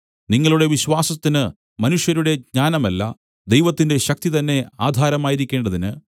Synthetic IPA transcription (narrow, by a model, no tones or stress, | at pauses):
niŋːɐɭuɽe̞ʋiɕʋaːsɐt̪ːinɨ | mɐnuʂjɐɾuɽe̞ɡɲaːnɐmɐlːɐ̰ | d̪ejʋɐt̪ːinde̞ɕɐk̚t̪it̪ɐnːe̞aːd̪ʱaːɾɐmaːjiɾikʲːe̞ːɳɖɐðinɨ